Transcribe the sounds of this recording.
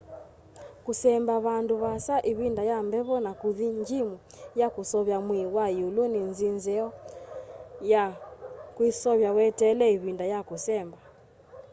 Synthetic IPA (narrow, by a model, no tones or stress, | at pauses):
kusɛmbaβanduβasaʔiβindajambɛβɔnakuðiɲd͡ʒimu | jakusɔβjamwiwajuluninzinzɛɔ | jakwisɔβjawɛtɛlɛiβindajakusɛmba